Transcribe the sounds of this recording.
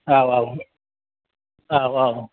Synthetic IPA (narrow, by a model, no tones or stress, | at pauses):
awaw | awaw